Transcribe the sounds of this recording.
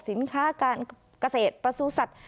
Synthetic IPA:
si˩˦nkʰaː˦˥kaː˧n | ka˧seː˨˩t̪̚pɾa˧suː˧sa˨˩t̪̚

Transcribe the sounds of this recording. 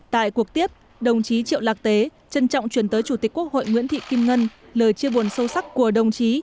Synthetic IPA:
t̪a̰ː˧˨jku˨˩ək̚t̪i˦˥əp̚ | ɗə˨˩wŋ͡mt͡ɕi˨˦t͡ɕḭ˧˨wlaː˨˩k̚t̪e˨˦ | t͡ɕə˧nt͡ɕɔ̰˧˨wŋ͡mt͡ɕwi˨˩ənt̪əː˨˦jt͡ɕu˧˩t̪i˨˩k̚u˦˥ək̚ho̰˧˨jŋwḭ˧˥ənt̪ʰḭ˧˨ki˧mŋə˧nləː˨˩jt͡ɕi˧əɓu˨˩ənsə˧wsa˦˥k̚ku˧˩əɗə˨˩wŋ͡mt͡ɕi˨˦

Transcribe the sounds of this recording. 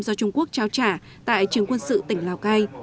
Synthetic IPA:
mzɔ˧t͡ɕʊ˧ŋ͡mku˦˥ək̚t͡ɕaː˧wt͡ɕaː˧˩ | t̪a̰ː˧˨jt͡ɕɨ˨˩əŋkwə˧nsɨ̰˧˨t̪ï˨˩ŋ̟laː˨˩wkaː˧j

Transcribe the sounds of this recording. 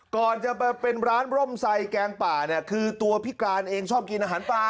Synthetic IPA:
kɔː˨˩nt͡ɕa˨˩pa˧jpe˧nɾaː˦˥nɾo˥˩msa˧jkɛː˧ŋpaː˨˩ni˥˩ɐkʰɯː˧t̪u˧ɐpʰi˦˥kaː˧nʔeː˧ŋt͡ɕʰɔː˥˩p̚ki˧nʔaː˧ɦaː˩˦npaː˨˩

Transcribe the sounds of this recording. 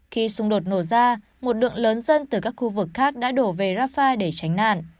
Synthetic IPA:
xi˧sʊ˧ŋ͡mɗo˨˩t̚no˧˩zaː˧ | mo˨˩t̚ɗɨ̰˧˨əŋləː˨˦nzə˧nt̪ɨ˨˩kaː˦˥k̚xu˧vɨ˨˩kxaː˦˥k̚ɗa̰ː˧˥ɗo˧˩ve˨˩zaː˦˥faː˧ɗe˧˩t͡ɕa˨˦jŋna̰ː˧˨nʔ

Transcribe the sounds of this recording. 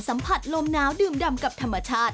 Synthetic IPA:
sa˩˦mpʰa˨˩t̪̚lo˧mnaː˦˥wdɯː˨˩mda˧mka˨˩p̚t̪ʰa˧mːa˧t͡ɕʰaː˥˩t̪̚

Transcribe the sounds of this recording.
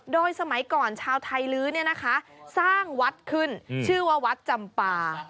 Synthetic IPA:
doː˧jsa˧ma˩˦jkɔː˨˩nt͡ɕʰaː˧wt̪ʰa˧jlɯː˦˥ni˥˩ɐna˦˥kʰa˦˥saː˥˩ŋwa˦˥t̪̚kʰɯ˥˩nt͡ɕʰɯː˥˩wa˥˩wa˦˥t̪̚t͡ɕa˨˩mpaː˧

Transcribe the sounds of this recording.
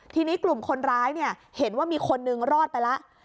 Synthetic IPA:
t̪ʰiː˧niː˦˥klu˨˩mkʰo˧nɾaː˦˥jni˥˩ɐhe˩˦nwaː˥˩miː˧kʰo˧nːɯ˧ŋɾɔː˥˩t̪̚pa˧jla˦˥ʔ

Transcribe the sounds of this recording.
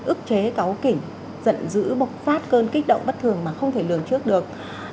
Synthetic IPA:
ʔɨ˦˥ək̚t͡ɕe˨˦ka˨˦wkï˧˩ŋ̟ | z̥ə̰˧˨nzɨ̰˧˥ɓʊ˨˩t̚faː˦˥t̚kəː˧nkï˦˥k̟̚ɗə̰˧˨wŋ͡mɓə˦˥t̚t̪ʰɨ˨˩əŋmaː˨˩xə˧wŋ͡mt̪ʰe˧˩lɨ˨˩əŋt͡ɕɨ˦˥ək̚ɗɨ˨˩ək̚

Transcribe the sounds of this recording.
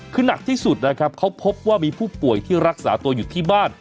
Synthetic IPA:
kʰɯː˧na˨˩k̚t̪ʰiː˥˩su˨˩t̪̚na˦˥kʰɾa˦˥p̚kʰa˦˥wpʰo˦˥p̚waː˥˩miː˧pʰuː˥˩pu˨˩əjt̪ʰiː˥˩ɾa˦˥k̚saː˩˦t̪u˧ɐju˨˩t̪ʰiː˥˩baː˥˩n

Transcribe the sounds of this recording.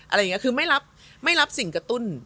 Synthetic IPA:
ʔa˧ɾa˧jŋ˦˥kʰɯː˧ma˥˩jɾa˦˥p̚ | ma˥˩jɾa˦˥p̚si˨˩˦ŋkɾa˧t̪u˥˩n

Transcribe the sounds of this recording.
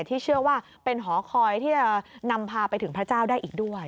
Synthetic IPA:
t̪ʰːiː˥˩t͡ɕʰɯ˥˩əwaː˥˩ | pe˧nɦɔː˩˦kʰɔː˧jt̪ʰiː˥˩t͡ɕa˨˩na˧mpʰaː˧pa˧jt̪ʰɯ˩˦ŋpʰɾa˦˥t͡ɕaː˥˩wdaː˥˩jʔiː˨˩k̚du˥˩əj

